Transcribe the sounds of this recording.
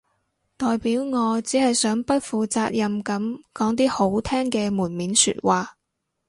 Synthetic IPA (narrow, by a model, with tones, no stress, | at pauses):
t̪ɔː˨jpiː˨˥wŋɔː˨˧t͡siː˨˥hɐ˨jsœː˨˥ŋpɐ˥t̚fuː˨t͡saː˧t̚jɐ˨mkɐ˨˥mkɔː˨˥ŋt̪̬iː˥ho˨˥wt̪ʰɛː˥ŋkɛː˧muː˨˩nmiː˨˥nsy̰˧t̚waː˨